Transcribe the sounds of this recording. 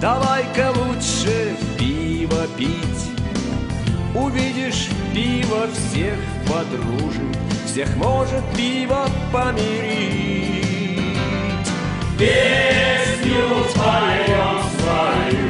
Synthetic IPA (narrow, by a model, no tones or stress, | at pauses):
d̪ɐvajkəlˠutʂɨpʲivəpʲitʲ | ʊvʲidʲɪʂpʲivəfsʲex | pɐd̪ɾuʐɨm | fsʲexmoʐɨt̪̚pʲivə | pəmʲɪɾʲi | tʲ | bʲesʲnʲɪʊsp̪alʲɪjomsvaɪ